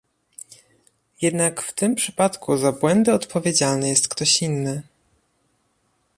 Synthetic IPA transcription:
jɛd̪nakft̪ɘmpʂɘ̥pat̪kʰuzabwɛnd̪ɘɔt̪pɔvʲjed͡ʑalnɛjɛst̪kt̪ɔɕinːɘ

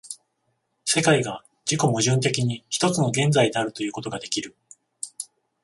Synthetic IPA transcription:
se̞kaiɡa | d͡ʑiko̞mɯ̟ʑɨ̃nt̪e̞kʲiɲ̟içi̥t̪o̞t͡sɨno̞ɡẽ̞nd͡zaid̪eaɾɯ̟t̪o̞jɯ̟ːko̞t̪o̞ɡad̪e̞kʲiɾɯ̟

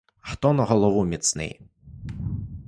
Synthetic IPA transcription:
xt̪ɔnɐɣɔlˠɔvumʲit̪snɪ̰j

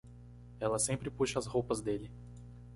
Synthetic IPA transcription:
ɛlɐsẽmpɾɪpuʃɐɐshowpɐzd̪elɪ

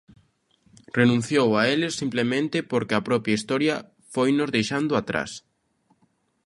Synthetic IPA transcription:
renũn̟θjowaelɪsːimplemẽnt̪ɪpoɾkeɐpɾɔpjaist̪ɔɾjɐ | fojnozðejʃand̪ʊat̪ɾa̰s

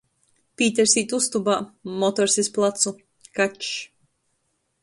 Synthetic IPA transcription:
pʲiːt̪ʲɛɾsiːt̪ust̪ubaːmɔt̪ɔɾsʲisplˠat̪su | kat͡ʃ

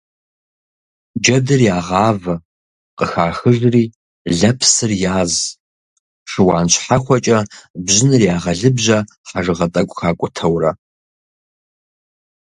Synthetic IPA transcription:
d͡ʒɐdɨrjaːʁɑːvɐ | qʼəxaːxɨʒriː | ɮɐpʰsɨrjaːz | ʂɨwɑːnɕʰħaxʷɔt͡ʃʼɐbʑɪnɨrjaːʁɐɮɨbʑɐ | ħaʐɨʁɐtʼɐkʷʼxaːkʷʼʊtʰɐwrɐ

